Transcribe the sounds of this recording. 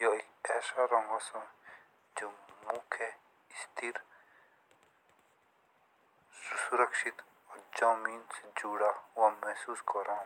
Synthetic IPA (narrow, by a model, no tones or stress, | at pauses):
joekɛːsaɾɔ̃ŋɡasɔ̃ | d͡ʒoːmũkʰe | ist̪iɾ | susuɾɐkʃit̪ | ɔːɾd͡ʒaːmiːnsed͡ʒuːɽawãmɛɦsuːskɔɾãː